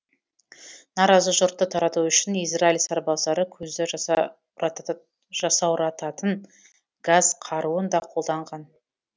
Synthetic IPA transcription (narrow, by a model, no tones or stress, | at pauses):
nɑɾɑzəʒʊɾt̪ːət̪ʰɑɾɑt̪uʏʃɪnijzrailsɑɾbɑsɑɾəkʲʰɵzd̪ɪ | ʒ̥ɑsɑwɾɑt̪ɑt̪ən | ɡ̥azqʰɑɾuənd̪ɑqʰo̞lˠd̪ɑɴʁɑn